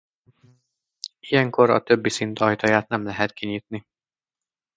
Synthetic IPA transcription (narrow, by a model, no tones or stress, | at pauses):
ijɛŋko̞ɾɒ̰t̪ø̞bːisint̪ɒjt̪ɒjaːt̪̚nɛmlɛɦɛt̪kʰiɲiːt̪ni